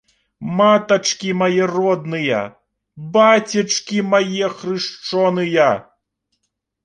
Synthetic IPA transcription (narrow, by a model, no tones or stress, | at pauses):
mat̪ɐt͡ʂkʲimajɛrɔd̪nɨjɐ̰ | bat͡sʲɐt͡ʂkʲimajɛxrɨʂt͡ʂɔnɨjɐ